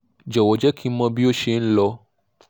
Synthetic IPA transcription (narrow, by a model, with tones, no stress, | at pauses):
d͡ʒɔ˨wɔ˨˦d͡ʒɛ˦ki˦mã˧bi˦o˦ʃe˧ñ̩˦lɔ˧˦